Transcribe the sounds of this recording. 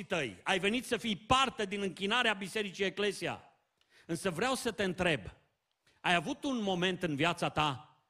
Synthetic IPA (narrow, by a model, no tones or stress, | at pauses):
it̪əjajve̞nit̪səfijpart̪e̞d̪inɨŋkʲinaɾeabise̞ɾit͡ʃie̞kle̞sia̰ | ɨnsəvɾeawsət̪e̞ɨnt̪ɾe̞b | ajavut̪unmo̞me̞nt̪ɨnvjat̪sat̪a